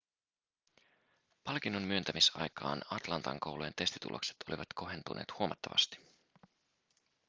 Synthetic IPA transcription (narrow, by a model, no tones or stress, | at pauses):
pɑlk̟inːommyønt̪æmisɑ̰jkɑːnɑt̪lɑnt̪ɑŋko̞wlent̪e̞st̪i̥t̪ṵlʔo̞̰kse̥t̪o̞liʋɑt̪ko̞ɦe̞nt̪unʔḛːt̪huomɑt̪ːɑʋɑ̰st̪i̥